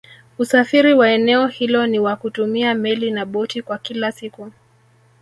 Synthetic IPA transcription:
usafiɾiwaɛnɛɔhilɔniwakutumiamɛlinaɓɔtikwakilasiku

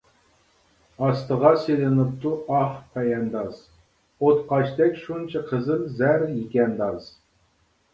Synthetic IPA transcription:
ɑst̪əʁɑselɨnɨp̚t̪uʔɑχpʰɛjɛnd̪ɑz̥ | ot̪qɑʃt̪ɛkʲʃunt͡ʃʰɑqʰəzɨlzæɾjikʲɛnd̪ɑz̥

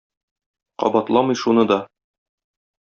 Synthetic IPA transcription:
qɒ̰bɑt̪lˠɑmɤ̆jʃunɤd̪ɒ

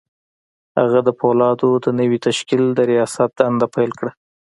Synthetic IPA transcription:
ha̰ɣad̪əpolɑd̪od̪ənəwit̪aʃkild̪əɾijɑsat̪̚d̪əand̪apajlkɽa

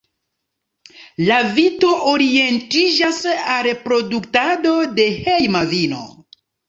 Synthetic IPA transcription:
lavito̞ʔoɾie̞ntid͡ʒasaɾepɾo̞duktado̞de̞hejmavino̰

